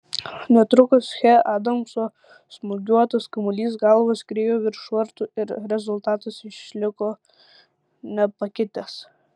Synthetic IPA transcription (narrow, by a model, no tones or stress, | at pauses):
nʲɛt̪ɾʊkɐsxʲɛɑːd̪ɐmsoː | smʊɡʲuɔt̪ɐskɐmʊlʲiːs̬ɡɑlˠʋɐskɾʲeːjoːʋʲɪɾʃʋɐɾt̪uːɪɾɾʲɛzʊlˠt̪ɑːt̪ɐsɪʃlʲɪkoː | nʲɛpɐkʲɪt̪ʲɛs